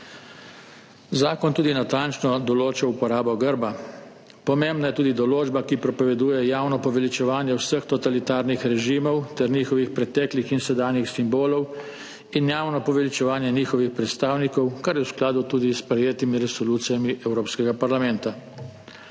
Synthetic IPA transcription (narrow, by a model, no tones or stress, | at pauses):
zaːkɔnt̪uːd̪inat̪ant͡ʃnɔd̪ɔloːt͡ʃaupɔɾaːbɔɡəɾba | pɔmembnajɛt̪uːd̪id̪ɔloːd͡ʒbakipɾɔpɔʋɛd̪uːjɛjaːwnɔpɔʋɛlit͡ʃɛʋaːnjɛwsəxt̪ɔt̪alit̪aːɾnixɾɛʒiːmɔwt̪ɛɾniːxɔʋixpɾɛt̪ɛklixinsɛd̪aːnjixsimboːlɔw | injaːwnɔpɔʋɛlit͡ʃɛʋaːnjɛniːxɔʋixpɾɛt̪st̪aːwnikɔwkaɾjɛwsklaːd̪ut̪uːd̪ispɾɛjeːt̪imiɾɛsɔluːt̪sijamiʔɛwɾoːpskɛɡapaɾlamɛnt̪a